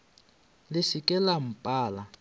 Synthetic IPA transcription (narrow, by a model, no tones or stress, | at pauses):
lɪsikʼɛlam̩pʼaːla